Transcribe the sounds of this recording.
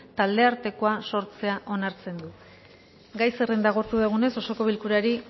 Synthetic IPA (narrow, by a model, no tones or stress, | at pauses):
t̪ald̪e̞aɾt̪e̞ko̞aso̞ɾt͡se̞aʔo̞naɾt͡se̞nd̪u | ɡajse̞re̞nd̪aɣ̞o̞ɾt̪uðeɣ̞une̞so̞so̞ko̞βilkuɾaɾi